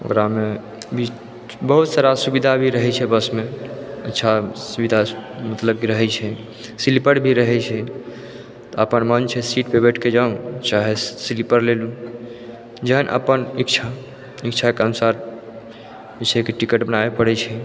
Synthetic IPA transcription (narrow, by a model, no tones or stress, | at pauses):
o̰kɾame | bʱi | bəɦut̪saɾasubid̪ʱabʱiɾəɦɛt͡ʃʰɛbəsmeətːʃʰasubid̪ʱamət̪ləb̚kiɾəɦɛt͡ʃʰɛ | silipəɾbʱiɾəɦɛt͡ʃʰɛ | t̪ɔəpənmənt͡ʃʰɛsiʈpebeʈʰked͡ʒaũt͡ʃaɦesilipəɾlelũ | d͡ʒəɦənʔə̰pənikt͡ʃʰa | ikt͡ʃʰakeənusaɾ | bisʰɛkeʈikəʈbənaepəɽɛt͡ʃʰɛ